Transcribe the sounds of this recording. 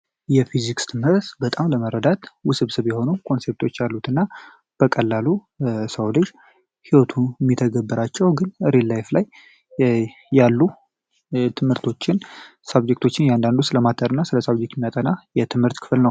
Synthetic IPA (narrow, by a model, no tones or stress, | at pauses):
jɛfizikst̪ʰɨmhɨɾt̪bət̪ʼamləməɾəd̪at̪wʊsɨβsɨβjɛho̞nukʰo̞nse̞p̚t̪ʰo̞t͡ʃːjalːut̪ɨnːa | b̥əkʼəlːalu | səwlɨʃ | hiwot̪ʰumːit̪ʰəɡəbːɨɾat͡ʃːɛwɡɨnɨɾelːajflaj | alːu | t̪ʰɨmhɨɾt̪ʰo̞t͡ʃːɪnsabd͡ʒe̞k̚t̪ʰo̞t͡ʃːɪnjɛand̪and̪usɨləmat̪ʰːəɾɨnːasɨləsabd͡ʒek̪̚mːijat̪ʼənajɛt̪ʰɨmhɨɾt̪kʰɨ̥flnəw